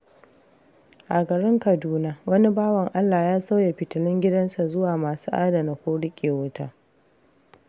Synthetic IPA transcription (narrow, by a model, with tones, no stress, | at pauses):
ʔa˨ɡɐ˨ɽɪ˦ŋkɐ˨duː˦naː˦wɐ˦ni˦baː˦wɐ˨ŋʔa˦lːaː˨jaː˦sa˦wja˨ɸɪ˨tɪ˨lɪ˦ŋɡʲɪ˦dɐ˦nsa˨zʊ˦waː˨maː˨suː˦ʔa˦da˨na˨kʷoː˦ɽɪ˦kʲʼeː˨wʊ˦taː˦